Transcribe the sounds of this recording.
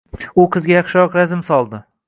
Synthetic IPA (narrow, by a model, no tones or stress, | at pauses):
ʊqʰɨzɡʲajɑχʃɪɾɒqɾazɪmsɒlˠd̪ɪ